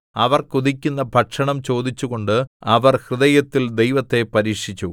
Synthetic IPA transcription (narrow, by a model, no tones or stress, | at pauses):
ɐʋɐrkud̪ikʲːunːɐbʱɐʈʂɐɳɐmt͡ɕo̞ːd̪it͡ɕːuɣo̞ɳɖɨɐʋɐrhrɨðɐjɐt̪ːild̪ejʋɐt̪ːe̞pɐɾiːkʂit͡ɕːu